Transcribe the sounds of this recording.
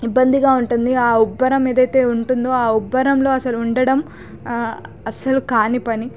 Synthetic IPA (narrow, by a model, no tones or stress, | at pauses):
ibːɐnd̪iɡaːuɳʈund̪iaːubːɐɾɐme̞ːd̪ɐjt̪e̞ːuɳʈund̪o̞ːaːubːɐɾɐmlo̞ːɐsɐluuɳɖɐɽɐm | ɐsɐlukaːnipɐni